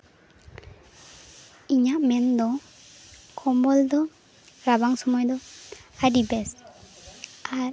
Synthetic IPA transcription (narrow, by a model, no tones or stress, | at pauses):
iɲaʔmɛnd̪ɔ | kʰɔmbɔld̪ɔ | ɾabaŋsɔmɔjd̪ɔaɾibɛs | aɾ